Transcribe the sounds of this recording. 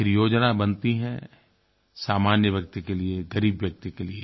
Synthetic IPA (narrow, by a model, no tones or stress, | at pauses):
ɪɾjoːd͡ʒnabɐ̃nt̪iɦɛ̃ | saːmaːnjəʋjɐk̚t̪ikelieɡɐɾiːbʋjɐk̚t̪ikelie